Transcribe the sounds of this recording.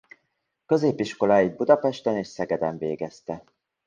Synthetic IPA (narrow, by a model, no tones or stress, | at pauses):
kø̞zeːpiʃko̞laːid̪̚bud̪ɒpɛʃt̪ɛneːʃsɛɡɛd̪ɛɱveːɡɛst̪ɛ